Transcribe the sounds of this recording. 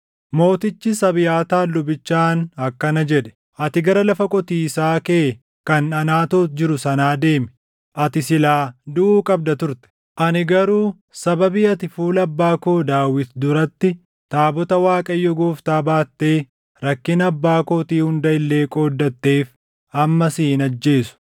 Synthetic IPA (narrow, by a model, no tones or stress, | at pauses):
mo̞ːt̪ɪt͡ʃːɪsɐbɪjaːt̪aːlːʊbɪt͡ʃːaːnɐkːɐnɐd͡ʒɛᶑɛ̥ | ʔɐt̪ɪɡɐɾɐlɐfɐkʼɔt̪iːɪsaːkeː | kɐnɐnaːt̪oːt̪d͡ʒɪɾʊsɐnaːd̪e̞ːmɛ̥ | ʔɐt̪ɪsɪlaːd̪uʔuːkʼɐb̚d̪ɐt̪ʊɾt̪ɛ̥ | ʔɐnɪɡɐɾuː | sɐbɐbiːɐt̪ɪfuːlɐbːaːko̞ːd̪aːwɪt̪d̪ʊɾɐt̪ːɪ | t̪aːbɔt̪ɐwaːkʼɐjːɔɡoːft̪aːbaːt̪ːe̞ː | ɾɐkːɪnɐbːaːkoːt̪iːhʊnd̪ɐɪlːe̞ːkʼoːd̪ːɐt̪ːe̞ːf | ɐmːɐsiːnɐd͡ʒːe̞ːsʊ̥